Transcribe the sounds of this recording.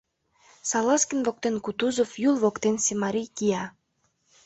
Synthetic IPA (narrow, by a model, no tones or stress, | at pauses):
sɑlɑskənβok̚t̪enkut̪uzofjulˠβokt̪ensemɑɾijkijɑ